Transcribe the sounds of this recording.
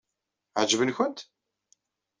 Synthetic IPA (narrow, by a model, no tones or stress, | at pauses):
ʕd͡ʒvənçʊnt̪